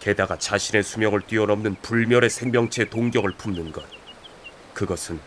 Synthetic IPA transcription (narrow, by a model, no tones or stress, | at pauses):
ke̞daɡat͡ɕaɕʰine̞sʰumjʌŋɯɭt͈ɥiʌnʌmnɯnpuɭmjʌɾe̞sʰe̞ŋmjʌŋt͡ɕʰe̞toŋɡjʌɡɯɭpʰumnɯnɡʌt̚ | kɯɡʌsʰɯn